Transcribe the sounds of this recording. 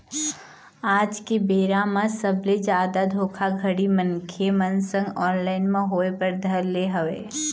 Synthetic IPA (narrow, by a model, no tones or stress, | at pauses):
aːd͡ʒkibeːɾamãsɐbled͡ʒaːd̪ad̪ʱoːkʰaɡʱɐɽimə̃nkʰemɐ̃nsə̃ŋɡɔːnlaːɪnmẽɦoːepɐɾd̪ʱɐɾleɦɐʋḛː